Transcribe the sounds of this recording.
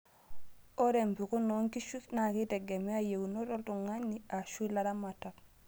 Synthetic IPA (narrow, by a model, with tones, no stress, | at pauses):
o˦ɾe˨mpi˨ku˦nɔ˨˦ŋki˦ʃu˦sna˨ki˦tɛ˨ɡɛ˨mɛ˦a˦je˨wu˨no˦tɔ˦ltu˨ŋa˦nːi˦a˨ʃu˦la˦da˦ma˨ta˨k